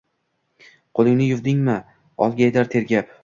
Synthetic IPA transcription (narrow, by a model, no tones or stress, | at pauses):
qʰolˠɪŋnɪjʊvd̪ɪŋmɪ | ɒlˠɡʲajd̪aɾt̪ʰe̞ɾɡʲap